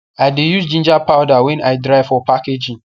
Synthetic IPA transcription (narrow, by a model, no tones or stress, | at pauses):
aɪdejusd͡ʒĩnd͡ʒapʰawdawɛ̃naɪdɾaɪvfɔpʰaked͡ʒĩŋ